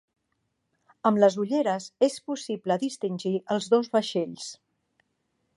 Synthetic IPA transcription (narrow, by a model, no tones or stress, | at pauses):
əmləzuʎeɾəsespusipləðist̪inʲʒiʔəlˠzðozβəʃeʎs